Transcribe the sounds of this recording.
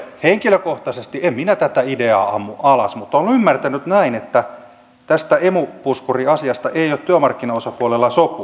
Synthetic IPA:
heŋkiløkoht̪ɑsest̪iemminæt̪æt̪æideɑ̰ːɑmːuʔɑlɑ̰smut̪ːonymːært̪ænyt̪næinet̪ːæ | t̪æst̪æemupuskuriɑsiɑst̪ɑʔeijoːt̪t̪yømɑrkːinɑosɑpuolelːɑsopu

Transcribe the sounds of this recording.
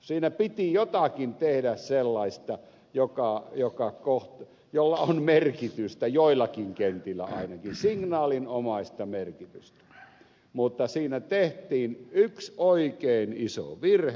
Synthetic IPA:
siːnæpit̪ijot̪ɑkint̪ehdæsselːɑist̪ɑ | jokɑˑjokɑkoht̪ | jolːɑonmerkit̪yst̪æjoˑilːˑɑkiŋkent̪ilːæ̰ɑ̰ˑinɑkinsiŋnɑːlinomɑˑist̪ɑmerkit̪yst̪æ̥ | mut̪ːɑsiːnæt̪eht̪iːnyksoikeˑiniso̰ʋirhe

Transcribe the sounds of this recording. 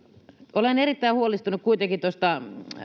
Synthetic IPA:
olenerit̪ːæihuolist̪unukkuit̪ekit̪ost̪ɑ

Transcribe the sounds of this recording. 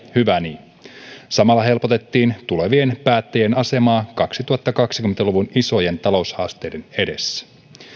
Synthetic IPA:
hyʋæni | sɑmɑlːɑɦe̞lpo̞t̪e̞t̪ːiːnt̪ule̞ʋie̞npæːt̪ːejenɑse̞mɑːkɑksit̪uhɑt̪ːɑkɑksi̥kyment̪æluʋuniso̞je̞nt̪ɑlo̞ushɑ̰ːst̪e̞jde̞ne̞de̞sːæ̥

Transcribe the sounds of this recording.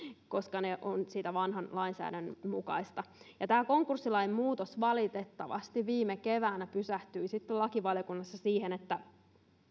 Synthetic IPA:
ko̞skɑneʔonsiːt̪æʋɑnɦɑnlɑinsæ̰ːdænmukɑ̰ist̪ɑjɑt̪æːko̞ŋkursːilɑinemmuːt̪osʋɑlit̪et̪ːɑʋɑ̰st̪iʋʋiːmeke̞ʋæːnæpysæht̪yisit̪ːelɑkiʋɑljokunːɑsːɑsiːhenet̪ːæ

